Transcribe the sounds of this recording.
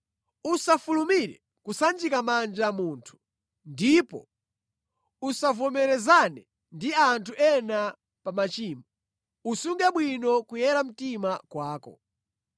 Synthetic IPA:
usafulumiɾɛ̰ | kusand͡ʒikamand͡ʒamuːntʰu̥ | ndipɔ̰ | usavɔmɛɾɛzanɛ | ndiantʰuʔɛna | pamat͡ʃiːmɔ | usuŋɡaɓwinɔkujɛɾam̩timakwaːkɔ̰

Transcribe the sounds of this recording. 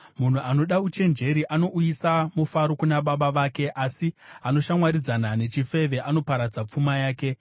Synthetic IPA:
mun̤uʔano̞ɗaut͡ʃe̞nd͡ʒe̞ɾiʔano̞ʔujisamufaɾo̞kunaɓaɓaʋaːke̞ʔasiano̞ʃamwaɾid͡zanane̞t͡ʃife̞ʋe̞ʔano̞paɾad͡zap͡fumajaːke̞

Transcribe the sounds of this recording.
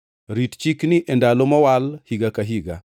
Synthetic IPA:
ɾitt͡ʃikniʔɛndalomɔwalhiɡakaɦiɡa̰

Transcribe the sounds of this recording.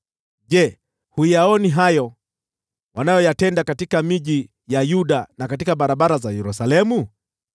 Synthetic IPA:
ʄɛ | hujaɔniɦajɔ | wanajɔjatɛndakatikamiʄi | jajuɗanakatikaɓaɾaɓaɾazajɛɾusalɛmu

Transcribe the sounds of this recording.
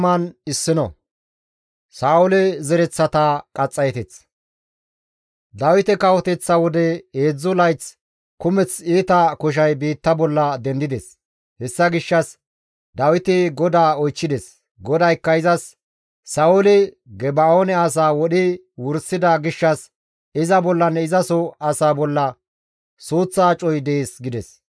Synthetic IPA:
mɐnɪsːɪnɔ̰ | saːʊlɛzɛɾɛt͡sːɐt̪ɐkʼɐt͡sʼːɐjɛt̪ɛt͡s | d̪ɐwɪt̪ɛkɐwɔt̪ɛt͡sːɐwɔd̪ɛeːd͡zːʊlɐjt͡s | kʊmɛt͡siːt̪ɐkɔʃ̬ɐjbiːt̪ːɐbɔlːɐd̪ɛnd̪ɪd̪ɛs | hɛsːɐɡɪʃːɐs | d̪ɐwɪt̪ɪɡɔd̪aːɔjt͡ʃːɪd̪ɛs | ɡɔd̪ɐjkːɐɪzɐsː | ɐʊlɪ | ɡɛbɐonɛɐs̬aːwɔɗɪ | wʊɾsɪd̪ɐɡɪʃːɐs | ɪzɐbɔlːɐnɛɪzɐsɔɐsaːbɔlːɐ | suːt͡sːaːt͡ʃʼɔjd̪ɛeːsɡɪd̪ɛs

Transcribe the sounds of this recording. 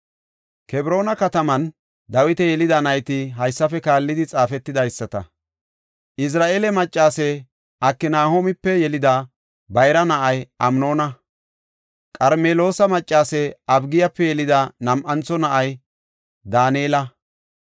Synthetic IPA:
kɛbɾo̞ːnɐkɐt̪ɐmɐn | d̪ɐwɪt̪ɛjɛlɪd̪ɐnɐjt̪ɪɦɐjsːɐfɛkaːlːɪd̪ɪt͡sʼaːfɛt̪ːɪd̪ɐjsːɐt̪ɐ̰ | ʔɪs̬ɾaːʔeːlɛmɐt͡ʃʼːaːsɛ | ʔɐkːɪnaːhomɪpːɛjɛlɪd̪ɐ | bɐjɾɐnɐʔɐjʔɐmno̞ːnɐ | kʼɐɾmeːlo̞ːsɐmɐt͡ʃʼːaːsɛɐbɡɪjɐpːɛjɛlɪd̪ɐnɐmʔɐnt͡sɔnɐʔɐj | d̪aːneːlɐ

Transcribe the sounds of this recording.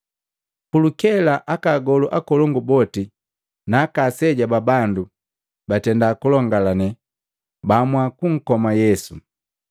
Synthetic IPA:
kulukɛlaʔakaɡɔluʔakɔlɔŋɡubɔti | naːkasɛɟababandu | batɛndakulɔŋɡalanɛ | bamwakuŋ̩kɔmajɛsu

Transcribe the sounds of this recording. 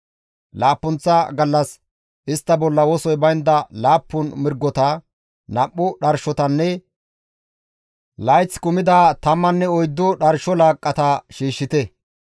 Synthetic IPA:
laːpːʊnt͡sːɐɡɐlːɐs | ʔɪst̪ːɐbɔlːɐwɔsɔjbɐjnd̪ɐlaːpːʊnmɪɾɡːɔt̪ɐ | nɐpʼːʊɗɐɾʃɔt̪ɐnːɛ | lɐjt͡sːkʊmɪd̪aːt̪ɐmːɐnːɛɔjd̪ːʊɗɐɾʃɔlaːkʼːɐt̪ɐʃiːʃːɪt̪ɛ

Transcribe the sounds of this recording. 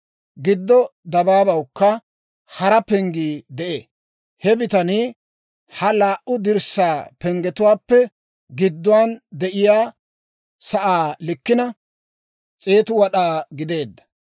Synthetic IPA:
ɡɪd̪ːɔd̪ɐbaːbɐwkːɐ | hɐɾɐpɛŋɡiːd̪ɛʔeː | hɛbɪt̪ɐniː | hɐlaːʔʊd̪ɪɾsaːpɛŋɡɛt̪ʊwaːpːɛ | ɡɪd̪ːʊwaːnd̪ɛʔɪjaː | sɐʔaːlɪkːɪnɐ | t͡sʼe̞ːt̪ʊwɐɗaːɡɪd̪e̞ːd̪ːɐ̥

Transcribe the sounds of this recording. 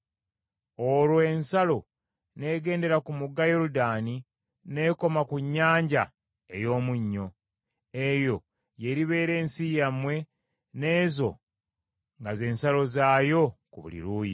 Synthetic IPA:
o̞lwoe̞nsalo̞ | ne̞ːɡe̞ːnde̞ɾakumuɡːajo̞ɾudaːni | ne̞ko̞makuɲːaːɲɟa | ejo̞ːmuɲːo̞ | e̞jo̞ | je̞ɾiβe̞ːɾe̞ːnsijamwe̞ | ne̞ːzo̞̰ | ŋɡaze̞ːnsalo̞zaːjo̞kuβṵlḭɾuːji

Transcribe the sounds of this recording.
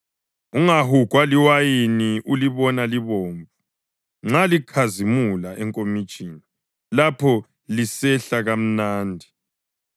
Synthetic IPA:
uŋaɦuɡ̥ʱwaliwajiniʔuliβɔnaliβoːɱvu | ŋ͡ǁalikʰazimulaʔɛŋkʼomid̥t͡ʃʼiːni | lapʰɔ | lisɛɬaɣam̩naːndʱi

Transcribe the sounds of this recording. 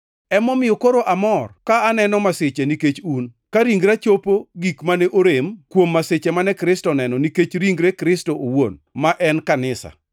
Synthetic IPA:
ɛmɔmɪjɔkoɾoʔamɔrkaːnɛnɔmasɪt͡ʃeniket͡ʃunkaɾiŋɡɾat͡ʃopoɡikmanɛʔoɾemkwomːaset͡ʃemanɛkɾɪstɔnɛnɔniket͡ʃɾiŋɡɾekɾɪstoʔowon | maʔɛnkanɪsa̰

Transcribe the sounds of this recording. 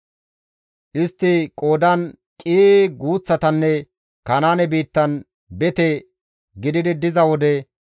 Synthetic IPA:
ʔɪst̪ːɪkʼo̞ːd̪ɐn | kʼiːɡuːt͡sːɐt̪ɐnːɛ | kɐnaːnɛbiːt̪ːɐn | bɛt̪ɛ | ɡɪd̪ɪd̪ɪd̪ɪzɐwɔd̪ɛ

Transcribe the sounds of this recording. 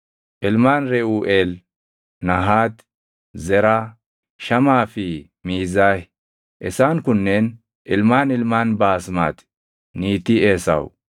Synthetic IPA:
ʔɪlmaːnɾɛʔuːʔeːl | nɐɦaːt̪ | zɛɾa | ʃɐmaːfi | miːzaːh | ʔɛsaːŋkʊnːen | ʔɪlmaːnɪlmaːnbaːsma̰ːt̪ | niːt̪ieːsɐ̰w

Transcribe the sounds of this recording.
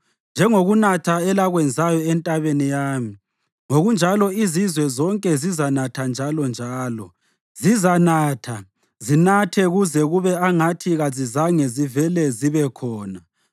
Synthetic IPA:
nd͡ʒʱɛŋoɣunatʰaɛlaɣwɛnd͡zʱajɔɛntʼaβenijaːmi | ŋoɣund͡ʒʱalɔizizwɛzɔŋkʼɛzizanatʰand͡ʒʱalɔnd͡ʒʱaːlɔ̰ | zizanatʰa | zinatʰɛɣuzɛɣuβɛaŋatʰiɣazizaŋɛzivɛlɛziβɛkʰɔːna

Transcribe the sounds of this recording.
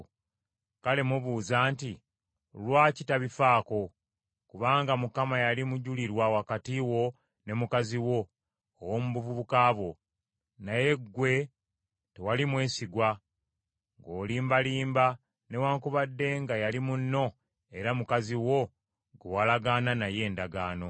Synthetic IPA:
kale̞muβuːzaːnti | lwaːcitaβifaːko̞ | kuβaːŋɡamukamajalimuɟuliɾwawakatiwo̞ | ne̞mukaziwo̞ː | womuβuvuβukaːβwo̞ | naje̞ɡːwe̞ | te̞walimwe̞ːsiɡwa | ŋɡo̞ːliːmbaliːmba | ne̞waːŋkuβadːe̞ŋɡajalimunːo̞ | e̞ɾamukaziwo̞ | ɡuwalaɡaːnanaje̞ːndaɡaːno̞

